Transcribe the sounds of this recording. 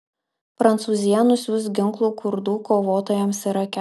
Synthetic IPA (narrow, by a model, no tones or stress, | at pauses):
pɾɐnt̪suːzʲɪjɛnʊsʲuːst̪ɡʲɪŋklˠuːkʰʊɾd̪uːkoːʋoːt̪oːjɛmsɪɾɐkʲɛ